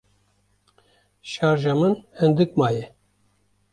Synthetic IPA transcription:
ʃɑːɾʒamɨnhɛnd̪ɨkmɑːjɛ

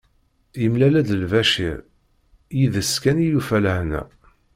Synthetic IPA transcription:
imlælæd̪əlvæʃḭɾ | jiðəskænijufæləhnæ̰

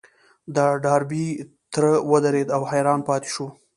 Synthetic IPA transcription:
d̪ɑɖɑɾbi | t̪ɾəwəd̪aɾed̪awhajɾɑnpɑt̪ɪ̥ʃu

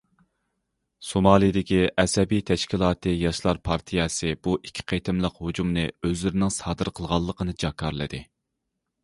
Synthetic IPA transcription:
somɑːlˠijd̪ɪkʲiʔɛsɛbijt̪ʰɛʃkʲʰilˠɑːt̪ʰɨjɑʃlˠɑɾpʰɑɾt̪ʰijɛsɨbuʔikʲʰːi̥qʰet̪ʰɪmlˠəqhod͡ʒumnɨøzlɪɾɪnɪŋsɑːd̪ɨɾqʰəlˠʁɑlˠːəqʰənɨd͡ʒɑkʰːɑɾlˠɨ̰d̪ɨ

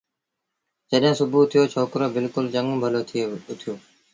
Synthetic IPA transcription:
d͡ʒəɗɦɪ̃ːsʊbʱuːt̪ʰijoːt͡ʃʰoːkɾoːbɪlkʊlt͡ʃəŋbʱəloːt̪ʰːʊt̪ʰɪjoː

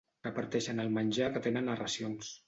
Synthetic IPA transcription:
əpəɾt̪ɛʃənəlˠmənʲʒakət̪enənːərəsions

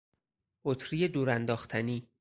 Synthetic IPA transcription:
ʔot̪ʰɾijed̪uːɾænd̪ɒːxt̪ʰæniː

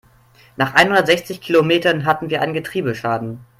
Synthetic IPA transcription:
naːχʔa̰ɪnhʊndɐtzɛçt͡sɪçkʰilomeːtɐnɦatn̩viːɐʔaɪnənɡətʁ̥iːbəʃaːdn̩

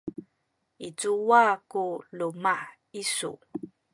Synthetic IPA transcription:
it͡suwakuluma | isṵ

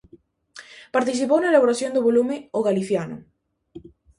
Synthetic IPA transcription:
paɾt̪iθ̬ipownɐelaβoɾasjõnd̪ʊβolumɪoɣaliθjanʊ̰

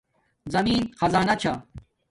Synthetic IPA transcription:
zɐmiːnxɐzaːnɐt͡ɕʰa

